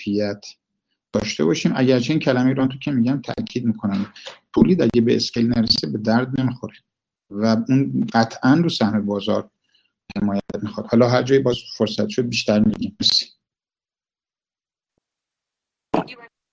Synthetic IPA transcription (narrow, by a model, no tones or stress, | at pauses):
ijæt̪ʰ | d̪̥ɒːʃt̪e̞̰bɒːʃiːmʔæ̰ɟæɾt͡ʃʰeiːncʰælæmeiɾɒnt̪ʰocʲʰemiːɟæmt̪ʰæ̰ʔcʰiːd̪̚miːkʰo̞næmp̪ʰoliːd̪æɟebeescelnæɾesebe̞d̪æɾd̪̚nemixoɾe | væunɢæt̪ʰʔænɾuːsæhmebɒːzɒ̰ːɾ | he̞mɒːjæt̪mixɒd̪̥hɒːlɒːɦæɾd͡ʒɒːjibɒːzfoɾsæt̪ʃod̪̚biːʃt̪æɾmḭɡ̪imesi̥